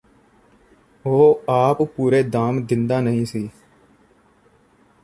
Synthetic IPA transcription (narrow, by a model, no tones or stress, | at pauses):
oːaːppuːɾeːd̪aːmd̪ɪ̃nd̪aːnəɦĩːsiː